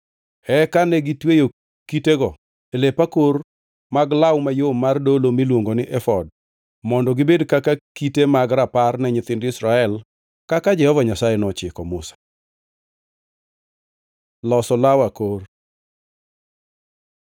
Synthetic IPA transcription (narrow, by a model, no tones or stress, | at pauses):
ɛkanɛɡitwejo | kiteɡɔ | elepakor | maɡlawmajomːardolomilwoŋɡonɪʔɛfɔd̚ | mɔndɔɡɪbedkakakitemaɡɾaparnɛɲɪt̪ɪndɪsɾaɛl | kakad͡ʒɛhɔvaɲasajɛnɔt͡ʃɪkɔmʊsḁ | lɔsɔlawakor